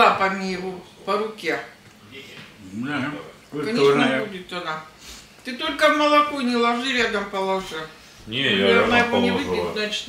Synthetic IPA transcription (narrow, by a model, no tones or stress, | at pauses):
apɐmʲirʊ | pəɾʊkʲe | kɐnʲnbudʲɪt̪ɐna | t̪ɨt̪olʲkəmɐlˠɐkonʲɪlˠɐʐɨɾʲad̪ɐmpɐlˠɐʐɨ | nʲejʲaɐnajɪvonʲɪvɨpʲɪt̪znat͡ɕɪ̥t̪